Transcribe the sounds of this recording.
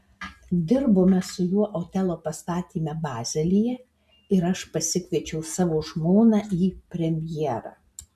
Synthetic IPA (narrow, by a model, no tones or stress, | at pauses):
d̪ʲɪɾboːmʲɛsʊjuɔʔoːt̪ʲɛlˠoːpɐst̪ɑːt̪ʲiːmʲɛbɑːzʲɛlʲɪjɛ | ɪɾɐʃpɐsʲɪkʋʲɛt͡ʃʲɛʊsɑːʋoːʒmoːnɑːʔiːpʲɾʲɛmʲjiɾɑ̰ː